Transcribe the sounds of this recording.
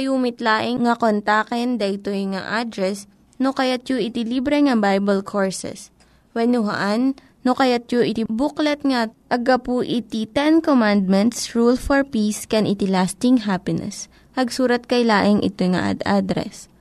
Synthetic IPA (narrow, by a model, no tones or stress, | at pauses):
ɐjuːmɪt̪laːʔɪŋŋɐkont̪aːkɛnd̪ɐɪt̪ojŋa̰ʔad̪ɾɛs | nokɐjat̪̚joʔɪt̪ɪlibɾɛŋɐbajbɐlkʰoɹsɛ̰s | wɛnʊɦɐ̰ʔanː | okɐjat̪̚joʔɪt̪ibuklɛt̪̚ŋɐʔɐɡɐpuʔɪt̪it̪ɛnkomand̪̚mɛnt̪sɹulfɔɹpiskɛnʔɪt̪ɪlast̪ɪŋɦapɪnɛ̰s | pɐɡsuːɾɐt̪̚kɐjlaːʔɪŋʔɪ̰t̪ojŋɐ̰ʔa̰d̪ʔad̪ɾɛ̰s